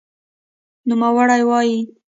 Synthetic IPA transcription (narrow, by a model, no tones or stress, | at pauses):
numawaɽajwɑji